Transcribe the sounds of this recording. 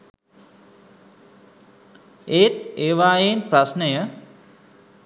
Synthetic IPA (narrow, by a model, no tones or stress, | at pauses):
eːt̪eːʋaːjenprasnəjə